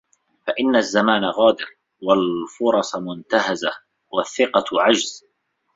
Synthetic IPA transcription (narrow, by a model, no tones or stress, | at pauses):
faʔɪnːazːamaːnaɣaːd̪ɪɾ | walfʊɾˤɑsˤmʊnt̪aɦaza | waθːɪqɑʕad͡ʒz̥